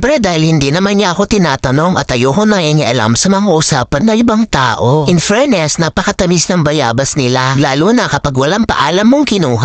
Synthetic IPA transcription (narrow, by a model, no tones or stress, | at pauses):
pɛɾɛd̪aːhɪlhɪnd̪inɐmanɲaʔɐko̞t̪ɪnaːt̪ɐno̞ŋɐt̪ɐjoːɦonɐŋʔɐŋɪʔɐla̰msɐmɐŋaʔʔʊsaːpɐnːɐʔɪbaŋt̪a̰ːʔoʔɪnfɛɹnɛsnɐpɐkɐt̪ɐmisnɐŋbɐja̰ːbɐsnɪlalaːlunɐkɐpaɡwɐlampɐ̰ʔaːlɐmːoŋkɪnuːɦa